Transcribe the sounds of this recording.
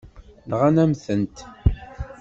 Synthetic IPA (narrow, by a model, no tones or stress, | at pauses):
nʁænæmθənt̪